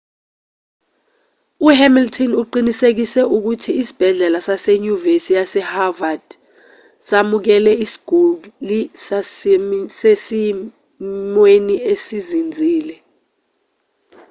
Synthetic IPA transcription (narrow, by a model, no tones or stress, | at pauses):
uɦɛmiltʰɔnuǃinisek̬isɛʔuk̬utʰiːsi̥b̥ʱɛɮɛlasaseɲuvesijasɛhavad̥ | samuk̬ɛlɛisi̥ɡ̥ʱulisassesi | mweniesizind͡zʱiːlɛ